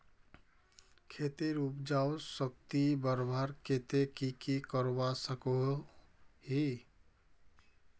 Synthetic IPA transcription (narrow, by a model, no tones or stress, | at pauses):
kʰet̪eɾuːpd͡ʒaosəkt̪ibəɾbʱaːɾkʰet̪ekikikəɾwasəko | hi